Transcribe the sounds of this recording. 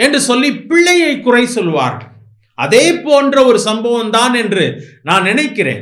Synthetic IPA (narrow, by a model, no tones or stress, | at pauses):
ɛndrɯsɔlːipɪɭːɐjɐɪkːʊrɐɪsɔlːʋa̰ːɾɣɐɭ | ɐ̰ðeːpoːndrɐɔɾɯsɐmbɐʋɐmt̪aːnɛndrɯnaːnnɪnɐɪkːɪrḛːn